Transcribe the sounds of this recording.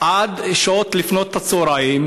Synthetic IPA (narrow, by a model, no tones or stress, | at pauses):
ʔad̪eʃot̪lifno̞t̪ːat͡soɾaim